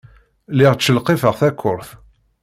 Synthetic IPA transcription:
lɪʁt͡ʃːəlqefəʁθækʰːʊɾθ

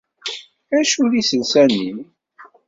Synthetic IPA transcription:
æʃulisənsænːin

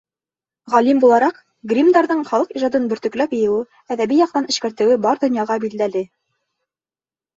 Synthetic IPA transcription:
ʁɑlimbulˠɑɾɑq | ɡrʲimd̪ɑɾðɤɴχɑlˠɤqiʒɑd̪ɤnbɵ̆ɾt̪ɵ̆klæpjɤ̆jɤ̆wɘ | æðæβijɑq̚t̪ɑnɘ̆ʃkæɾt̪ɘ̆wɘbɑɾd̪ŏnjɑʁɑbild̪ælɘ

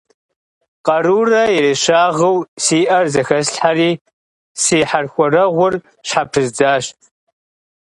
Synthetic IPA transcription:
qɐɾuːrɐireʃaːʁəwsiːʔɐrzɐxɐsɬħariː | siːħarxʷɔrɐʁʷʊr | ɕħapʰɨzd͡zaːʃtʼʰ

